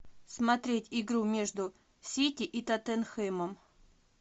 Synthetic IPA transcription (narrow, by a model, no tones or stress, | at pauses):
smɐt̪ɾʲetʲɪɡɾumʲe̞ʐd̪ʊ | sʲitʲɪʔit̪ɐt̪ɛnxɛməm